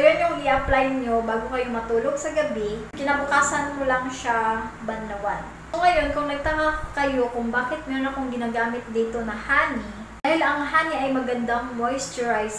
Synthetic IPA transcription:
ɐjonjoŋʔiʔɐplajɲobaːɡokɐjomɐt̪uːloɡsɐɡɐbikɪnabʊkaːsɐnkolɐŋʃabɐnd̪ɐwan | soŋɐjo̞nkʊŋnɐɡ̚t̪ɐŋakkɐjo̞kʊŋbaːkɪt̪̚mɛɾonɐkoŋɡɪnaːɡaːmɪt̪̚d̪iːt̪o̞nɐhaːni | d̪aːhɪlɐŋɦaːniʔɐjmɐɡɐnd̪aŋmojst̪ɛɹajs

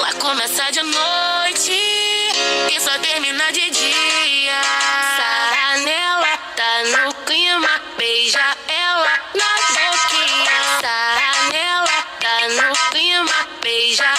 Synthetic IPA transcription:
lakõmɛsad͡ʒɪnojt͡ʃɪ | ɪsɔt̪eɾmĩnad͡ʒɪd͡ʒiɐt̪anɛlɐt̪anʊklĩmɐbejʒɐɛlɐnɐzboskiɲɐt̪anɛlɐt̪anʊklĩmɐbejʒɐ

